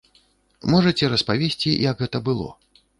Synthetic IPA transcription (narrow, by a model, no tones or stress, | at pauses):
mɔʐɐt͡sʲɛɾɐspavʲesʲt͡sʲijɐɡɣɛt̪ɐbɨlˠɔ̰